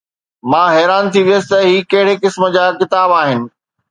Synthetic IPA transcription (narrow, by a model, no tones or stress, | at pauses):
mãːɦɛːɾaːnt̪ʰiʋijəsɪ̥t̪ɐɦiːkɐɦɪɽekɪsmə̆d͡ʑaːkɪt̪aːbaːɦɪnɪ̆